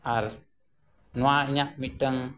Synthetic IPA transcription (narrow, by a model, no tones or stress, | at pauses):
aɾ | nwaɲaʔmitəŋ